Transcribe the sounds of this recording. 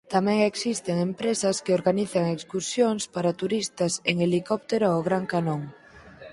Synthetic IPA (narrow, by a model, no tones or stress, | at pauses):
t̪amɛ̃ŋeksist̪eŋempɾesɐskeoɾɣaniθɐŋekskuɾsjoŋspaɾat̪uɾist̪ɐseŋelikɔp̚t̪eɾoɔɣɾaŋkanoŋ